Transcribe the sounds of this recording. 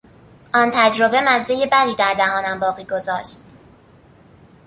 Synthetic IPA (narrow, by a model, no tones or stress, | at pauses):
ʔɒːnt̪ʰæd͡ʒɾo̞be̞mæzːejebæd̪iːd̪æɾd̪æhɒːnæmbɒːɣiːɡo̞zɒːʃt̪̚